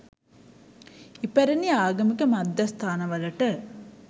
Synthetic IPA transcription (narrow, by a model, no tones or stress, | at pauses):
ipæɾeniaːɡɐmikəmad̪ːɐst̪ʰaːnɐʋɐlɐʈə